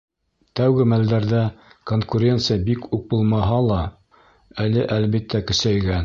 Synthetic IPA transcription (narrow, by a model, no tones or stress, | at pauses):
t̪æwɡɘmæld̪æɾðækoŋkuɾʲe̞nt̪sɨjabikuk̚bulˠmɑɦɑlˠɑ | ælɘʔælβit̪ːækɵ̆sæjɡæn